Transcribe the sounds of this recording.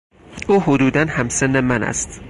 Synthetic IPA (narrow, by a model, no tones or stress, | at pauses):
uːhod̪uːd̪ænhæmsenːemænæ̰st̪